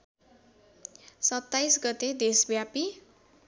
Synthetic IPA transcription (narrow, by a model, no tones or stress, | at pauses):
sʌt̪aisɡʌt̪ed̪esbjapi